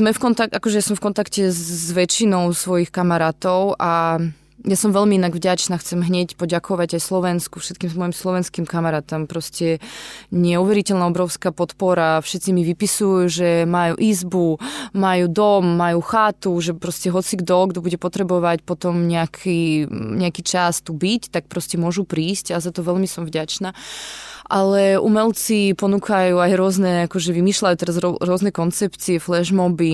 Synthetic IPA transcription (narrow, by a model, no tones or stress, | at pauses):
zmɛfkɔnt̪akʔakɔʒɛjasɔmfkɔnt̪akcɛzʋɛt͡ʃinɔʊsʋɔjixkamaɾaːt̪ɔʊʔa | jasɔmʋɛʎmiinaɡvɟat͡ʃnaːxt͡sɛmɦɲɛcpɔɟakʰɔʋaɟajslɔʋɛnskufʃɛt̪̚kiːmzmɔjimslɔʋɛnskimkamaɾaːt̪ɔmpɾɔscɛɲɪɛuʋɛɾicɛlnaɔbɾɔʊskaːpɔt̪pɔɾafʃɛt̪t͡simiʋipisujuʒɛmajṵʔizbumajud̪ɔmːajuxaːt̪uʒɛpɾɔscɛɦɔt͡siɡd̪ɔɡd̪ɔbuɟɛpɔt̪ɾɛbɔʋacpɔt̪ɔmɲɛakʰiɲɛakiːt͡ʃast̪ubict̪ak̚pɾɔscɛmʊɔʒupɾiːscazat̪ɔʋɛlmisɔmvɟat͡ʃnaːʔalɛṵmɛlt͡sipɔnuːkʰajuajɾʊɔznɛakɔʒɛʋimiːʃlajut̪ɛɾazɾɔɾʊɔznɛkɔnt͡sɛpt͡siɛflɛʒmɔbi